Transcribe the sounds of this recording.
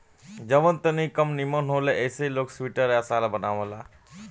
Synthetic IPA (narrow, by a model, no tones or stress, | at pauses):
d͡ʒəʋənt̪ənĩkəmnimənɦoːleʔeːseiloːksʋiːʈəɾeɐsaːlabənaːʋə̃laː